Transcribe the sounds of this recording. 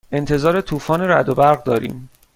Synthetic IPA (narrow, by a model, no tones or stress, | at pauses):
e̞nt̪ʰe̞zɒːɾet̪ʰuːfɒːneɾæd̪obæɾɣd̪ɒːɾḭːm